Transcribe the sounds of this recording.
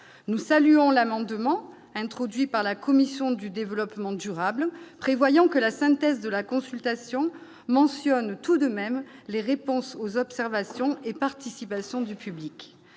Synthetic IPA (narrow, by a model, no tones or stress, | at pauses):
nusalyɔ̃lamɑ̃d̪mɑ̃ | ɛ̃t̪χɔd̪ɥipaʁlakɔmisjɔ̃d̪yd̪evəlɔpmɑ̃d̪yʁablpχevwajɑ̃kəlasɛ̃t̪ɛzd̪əlakɔ̃sylt̪asjɔ̃ | mɑ̃sjɔnt̪ud̪əmɛmleʁepɔ̃sozɔpsɛʁvasjɔ̃epaʁt̪isipasjɔ̃d̪ypyblik